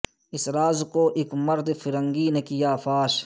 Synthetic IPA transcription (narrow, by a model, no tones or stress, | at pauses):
ɪsɾaːzkoːʔɪkmɐɾd̪fɪɾɐ̃ŋɡiːnekijaːfaːʃ